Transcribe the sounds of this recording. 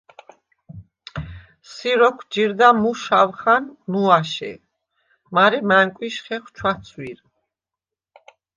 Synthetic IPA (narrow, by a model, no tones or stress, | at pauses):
siɾɔkʰd͡ʒiɾd̪amuʃawχanmuaʃɛ̰ | maɾɛmæŋkʼwiʃχɛχwt͡ʃʰwat̪sʰwiɾ